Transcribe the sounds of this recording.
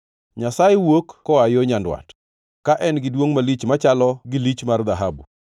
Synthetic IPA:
ɲasajewokkɔajoɲandwa̰t | kaʔɛnɡɪdwoŋmalit͡ʃmat͡ʃalɔɡɪlit͡ʃmard̪aɦabṵ

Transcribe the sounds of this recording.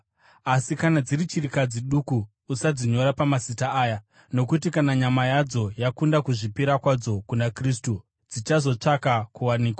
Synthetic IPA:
asikanad͡zirit͡ʃirikad͡ziɗukuː | sad͡ziɲo̞ɾapamasitaaːja | no̞kut̬ikanaɲamajad͡zo̞jakundakuʐipiɾakwad͡zo̞kunakris̬tu | d͡zit͡ʃazo̞t͡ʂakakuwaniːkwa

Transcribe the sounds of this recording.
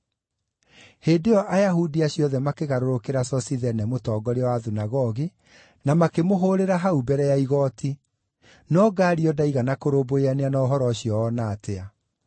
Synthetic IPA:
heːdeɔʔajaɦudiaɕjɔðɛmakeɣaɾoɾokeɾasɔsiðɛnɛmotɔːɡɔɾeɔwaðunaɣɔɣi | namakemoɦoːɾeɾaɦaubɛɾɛjaiɣɔːtʰi | nɔɡaːɾiɔdaiɣanakoɾoboeaneanaoɦɔɾɔɕjɔːnaːtea

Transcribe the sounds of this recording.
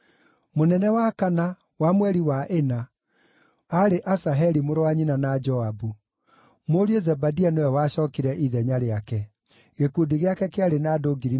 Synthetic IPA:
monɛnɛwakana | wamwɛɾiwaʔena | aɾeʔasaɦɛɾimoɾowaɲinanad͡ʒɔabu | moɾiozɛbadianewɛwaɕɔːkiɾɛʔiðɛɲaɾeakɛ | ɣekudiɣeakɛkeaɾenaːdoɡiɾi

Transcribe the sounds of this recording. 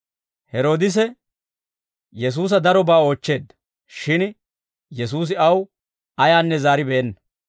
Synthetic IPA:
hɛɾo̞ːd̪ɪs̬ɛ | jɛs̬uːs̬ɐd̪ɐɾɔbaːo̞ːt͡ʃːe̞ːd̪ːɐ | ʃɪn | jɛs̬uːs̬ɪɐw | ɐjaːnːɛzaːɾɪbɛɛnːɐ

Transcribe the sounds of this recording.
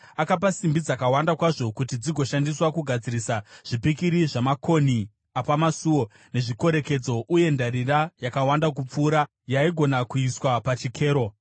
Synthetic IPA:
akap̬asimbid͡zakawandakwaʐo̞kutid͡ziɡʱo̞ʃandiswakuɡʱad͡ziɾisaʐ̥ipikiɾiʐamako̞ni | apamasuwo̞ | ne̞ʐiko̞ɾe̞ke̞d͡zo̞ʔuje̞ndaɾirajakawandakup͡fuːɾa | jaiɡʱo̞nakuiswapat͡ʃikʰe̞ːɾo̞

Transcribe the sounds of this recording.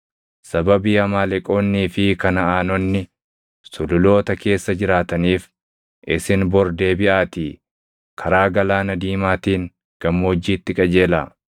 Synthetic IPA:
sɐbɐbiːɐmaːlɛkʼo̞ːnːiːfɪkɐnɐaːnɔnːɪ | sʊlʊlo̞ːt̪ɐke̞ːsːɐd͡ʒɪɾaːt̪ɐniːf | ʔɪsɪnbɔɾd̪e̞ːbɪʔaːt̪iː | kʰɐɾaːɡɐlaːnɐd̪iːmaːt̪iːŋ | ɡ̥ɐmːoːd͡ʒːiːt̪ːɪkʼɐd͡ʒe̞ːlaː

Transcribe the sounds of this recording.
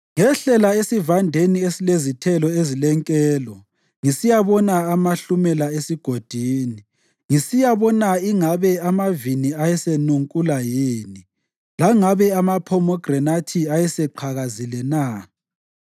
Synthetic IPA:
ŋɛɬɛlaesivandʱeniesilezitʰɛlɔezilɛŋkʼɛːlɔ | ŋisijaβɔnaːmaɬumɛlaesiɡ̥ʱod̥ʱiːni | ŋisijaβɔnaiŋaβɛamaviniajɛsenuŋkʼulajiːni | laŋaβɛamapʰɔmɔɡ̥rɛnatʰiajɛsɛǃʰaɣazilɛna

